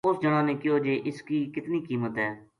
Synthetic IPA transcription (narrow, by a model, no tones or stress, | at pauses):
ʊsd͡ʒəɽ̃ãːnẽːkɪjoːd͡ʒeːʔɪskiːkɪt̪niːkiːmət̪ɦɛː